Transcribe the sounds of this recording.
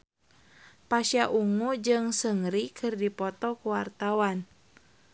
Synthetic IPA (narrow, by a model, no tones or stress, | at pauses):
paʃjaʔuŋud͡ʒɨŋsəŋɾikʰɨrdipɔt̪ɔkuwart̪awan